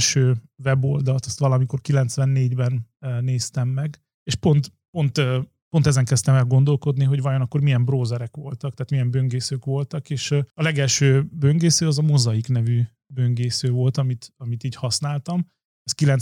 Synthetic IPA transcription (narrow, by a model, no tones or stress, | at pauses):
ʃøːvɛbo̞ld̪ɒlt̪ɒst̪ʋɒlɒmiko̞rkilɛnt̪sʋɛnːeːɟbɛnnːeːst̪ɛmːɛɡ | eːʃpo̞nt̪ | po̞nt̪ː | po̞n̪t̪ɛzɛŋkɛst̪ɛmɛɡo̞nd̪o̞lko̞d̪niɦo̞ɟvɒjo̞nɒkːo̞rmijɛmbroːzɛɾɛkʋo̞lt̪ɒk̚t̪ɛæːt̪mijɛmbø̞ŋɡeːsøːkʋo̞lt̪ɒkeːʃɒlɛɡɛlʃøːbøŋɡeːsøːɒzɒmo̞zɒjiknɛvy | bøŋɡeːsøːvo̞lt̪ɒmit̪ɒmit̪iːchɒsnaːlt̪ɒm | ɛskilɛn